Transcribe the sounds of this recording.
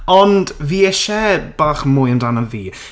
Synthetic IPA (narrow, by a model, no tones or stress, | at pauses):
ɔndviːɛʃɛb̥aːχmʊːjəndanəviː